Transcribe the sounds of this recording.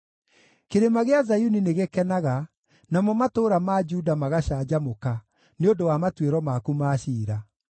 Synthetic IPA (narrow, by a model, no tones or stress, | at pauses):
keɾemaɣeazajunineɣekɛnaɣa | namɔmatoːɾamad͡ʒudamaɣaɕaːd͡ʑamoka | neondowamatweɾɔmakumaːɕiːɾa